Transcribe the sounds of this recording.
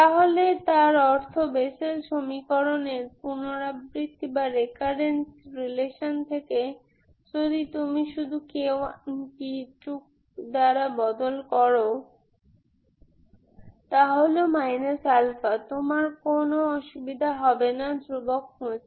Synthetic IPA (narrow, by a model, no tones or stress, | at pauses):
t̪aɦolet̪aɾɔɾt̪ʰobeʃelʃomikoɾoneɾpunoɾabɾit̪ːibaɾekaɾensɾileʃont̪ʰeke | d͡ʑod̪it̪umiʃud̪ʱukewnkiʈuk̚ | d̪aɾabɔd̪olkɔɾo | t̪aɦolomajnesalfat̪omaɾkonoɔʃubid̪ʱaɦɔbenad̪ɾubokhut͡ɕʰ